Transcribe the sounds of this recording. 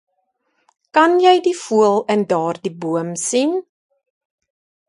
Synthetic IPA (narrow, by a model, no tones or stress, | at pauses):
kɐnjɛjdifuəlˠəndɑːrdibuəmsin